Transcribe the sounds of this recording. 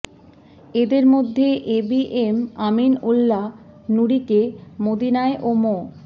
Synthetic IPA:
ed̪eɾmod̪ʱːeʔebiʔemaminulːa | nuɾikemod̪inaeʔomo

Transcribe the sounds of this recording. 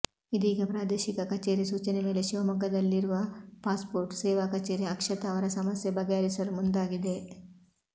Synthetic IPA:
id̪iːɡepɾaːd̪eːʃikɐkɐt͡ʃeːɾjisuːt͡ʃɐneme̞ːleʃiʋɐmɐɡɐd̪ɐlːiɾuʋɐpaːspoːɾʈsɛːʋakɐt͡ʃeːɾjiɐkʂɐt̪aːʋɐɾɐsɐmɐsjɐbɐɡaːɾisɐɾumund̪aːɡid̪e

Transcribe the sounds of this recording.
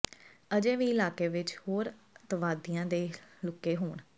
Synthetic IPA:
əd͡ʒẽːʋiːɪlaːkeːʋɪt͡ʃhoːɾ | t̪əʋaːd̪ijãːd̪eːlʊkːeːɦoːɳ

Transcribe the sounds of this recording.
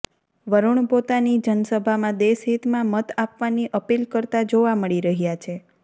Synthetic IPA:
ʋəɾuɳpot̪anid͡ʒənsəbʱamãd̪esɦit̪mãmət̪apʋaniʔəpilkəɾt̪ad͡ʒoʋaməɭiɾəɦjat͡ʃʰe

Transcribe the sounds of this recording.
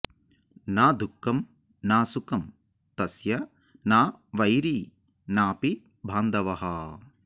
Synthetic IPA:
naːd̪ukːɐm | naːsukɐm | t̪ɐsjɐ | naːʋɐjɾiː | naːpi | bʱaːnd̪ɐʋɐɦɐ

